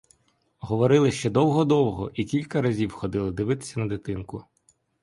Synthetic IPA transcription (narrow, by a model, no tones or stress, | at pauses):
ɦɔʋɔɾɪlˠɪʃt͡ʃɛd̪ɔwɦɔd̪ɔwɦɔʔikʲilʲkɐɾɐzʲiwxɔd̪ɪlˠɪd̪ɪʋɪt̪ɪ̥sʲɐnɐd̪ɪt̪ɪnkʊ